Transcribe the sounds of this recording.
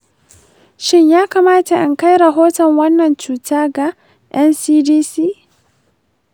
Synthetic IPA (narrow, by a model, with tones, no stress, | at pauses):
ʃɪ˦ɲjaː˦kaː˨maː˦ta˨ʔɪ˨ŋka˦jɾɐ˨ɦoː˦tɔ˨ŋwɐ˦nːɐ˨nt͡ʃuː˨taː˦ɡa˨ | jʔɛ˦nsiː˦diː˦siː˦